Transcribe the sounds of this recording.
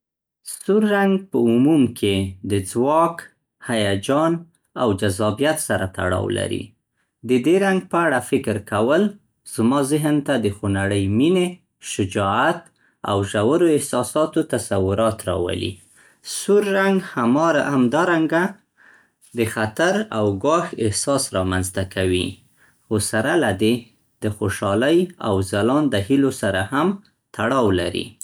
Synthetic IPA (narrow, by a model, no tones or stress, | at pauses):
suɾːaŋɡpəʊmumkʰed̪əd͡zwɑk | hajad͡ʒɑn | awd͡ʒazɑbijat̪saɾat̪a̰ɽɑ̰wla̰ɾḭ | d̪əd̪eɾaŋɡ̚pəaɽafɪkɾkawəl | z̥mɑzɪɦnt̪ad̪əxonaɽəjmine | ʃʊd͡ʒɑat̪ | a̰wʒawaɾoɪhsɑsɑt̪ot̪asawʊɾɑt̪ɾɑ̰wa̰lḭ | suɾːaŋɡhamɑamd̪ɑɾaŋɡa | d̪əxat̪aɾawɡɑxɪhsɑsɾɑmanzt̪akʰawḭ | xosaɾalad̪e | d̪̥əxoʃɑləja̰wzalɑnd̪əhilosaɾaham | t̪aɽɑwla̰ɾḭ